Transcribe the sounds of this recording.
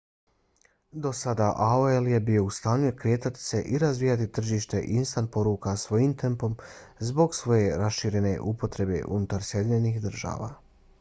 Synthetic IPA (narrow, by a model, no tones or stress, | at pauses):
d̪o̞sad̪aʔaoelje̞bijo̞ust̪aːɲukɾe̞ːt̪at̪i̥se̞ʔiɾazʋiːjat̪it̪r̩ʒiːʃt̪e̞ʔinst̪anpo̞ɾuːkasʋo̞jiːmt̪e̞mpo̞mzbo̞ɡsʋo̞je̞ɾasʃiɾe̞ne̞̰ʔupo̞t̪ɾe̞bḛʔunut̪aɾsje̞d̪iɲenixd̪r̩ʒa̰ːʋa̰ː